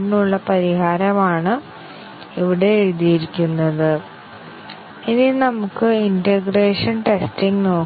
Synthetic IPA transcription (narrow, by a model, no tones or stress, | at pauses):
nuɭːɐpɐɾiɦaːɾɐmaːɳɨ | iʋiɽe̞ːɻuðijiɾikʲːunːɐðɨ | ininɐmukːɨindeɡreːʂɐnʈestiŋɡno̞ː